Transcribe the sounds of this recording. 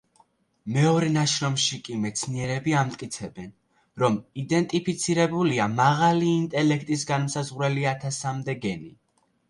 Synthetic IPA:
mɛɔɾɛnaʃɾɔmʃikʼimɛt̪sʰniɛɾɛbiamt̪ʼkʼit̪sʰɛbɛn | ɾɔmid̪ɛnt̪ʼipʰit̪sʰiɾɛbuliamaʁaliːnt̪ʼɛlɛkʰt̪ʼis̬ɡanmsazʁɾɛliat̪ʰasamd̪ɛɡɛni

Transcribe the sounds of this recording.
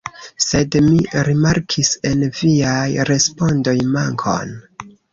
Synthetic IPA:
se̞dmiɾimaɾkʰise̞nviajɾe̞spo̞ndo̞jmaŋkʰo̞̰n

